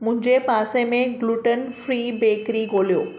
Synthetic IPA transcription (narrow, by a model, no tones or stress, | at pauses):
mʊ̃ɦɪ̃ɲd͡ʑepaːsemẽɡluːʈənfɾiːbeːkɾiɡoːlijoː